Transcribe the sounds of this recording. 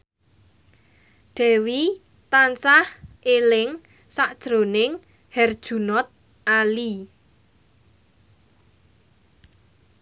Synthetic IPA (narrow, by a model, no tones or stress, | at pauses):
ɖ̥ɛ̤wi | t̪ansahʔelɪŋ | saʔd̥ʒ̥ɾo̤nɪŋ | hɛrd̥ʒ̥ṳnɔt̪̚ | ʔali